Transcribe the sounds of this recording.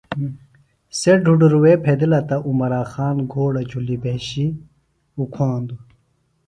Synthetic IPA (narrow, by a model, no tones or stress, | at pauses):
seɖʱuɖuɾuweːpʰed̪ilɐt̪ɐʔumɐɾaːxaːnɡʱoːɽɐd͡ʑʱulibeɕi | ukʰaːnd̪u